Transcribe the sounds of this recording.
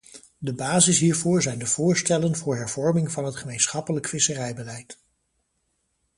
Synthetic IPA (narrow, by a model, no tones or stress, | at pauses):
dəbaːzɪsɦiːɹvʊːɹzɛjndəv̥ʊːɹstɛlənvʊːɹɦɛɹv̥ɔɹmɪŋvɑnɦətχəmejnsχɑpələkfɪsərɛjbəlɛjt